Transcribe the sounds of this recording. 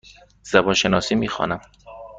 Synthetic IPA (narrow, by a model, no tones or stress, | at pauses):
z̥æbɒːnʃenɒːsiːmiːxɒ̰ːnæm